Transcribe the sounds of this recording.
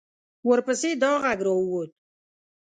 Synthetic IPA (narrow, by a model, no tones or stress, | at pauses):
wəɾpəsed̪ɑɣaɡɾɔuwot̪̚